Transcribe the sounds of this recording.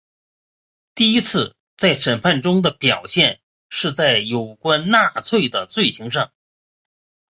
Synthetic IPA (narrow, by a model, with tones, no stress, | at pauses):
t̪i˥˩i˥t͡sʰɹ̩˥˩ | t͡sa˥˩ɪʂə˨˩npʰa˥˩nʈ͡ʂʊ˥ŋd̪ə˨pjɑ˨˩ʊɕjɛ˥˧n | ʂɻ̩˥˧t͡sa˥˩ɪjo˨˩ʊkwa˥nna˥˧t͡sʰwe˥˩ɪd̪ə˩t͡swe˥˩ɪɕi˧˥ŋʂɑ˥˩ŋ